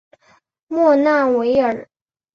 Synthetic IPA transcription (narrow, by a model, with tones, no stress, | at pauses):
mwɔ˥˧na˥˩we˧˥ɪə˨˩